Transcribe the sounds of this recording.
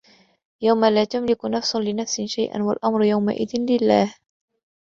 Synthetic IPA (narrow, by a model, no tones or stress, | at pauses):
jawmalaːt̪amlɪkʊnafsʊlɪnafsɪnʃajʔa̰nwalʔamɾjawma̰ʔɪd̪ɪnlɪlːaːh